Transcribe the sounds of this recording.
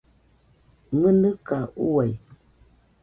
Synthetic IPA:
ŋənɨkauwaj

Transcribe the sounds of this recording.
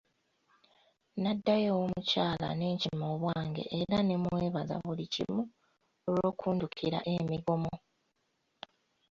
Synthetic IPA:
nadːajewomucaːla̰ne̞ːɲcimo̞ːβwaːŋɡe̞̰ʔːɾane̞mweːβaza̰βulicḭmu | olo̞ːkʰuːndukʰiɾa̰ʔe̞miɡo̞mo

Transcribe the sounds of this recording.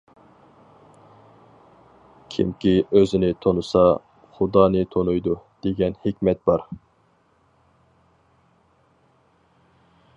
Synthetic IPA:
kʲʰḭmkʲiøzɪnɪt̪ʰonusɑ | χʊd̪ɑːnɨt̪ʰonujd̪ud̪̥eɡʲɛnhɪkʲmɛt̪̚b̥ɑɾ

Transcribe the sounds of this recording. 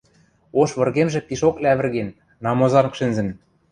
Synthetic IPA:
oʃβɤ̆rɣemʒĕpiʃoklʲæβɘ̆rɣenː | ɑmozɑnkʃɘ̆nzɘ̆n

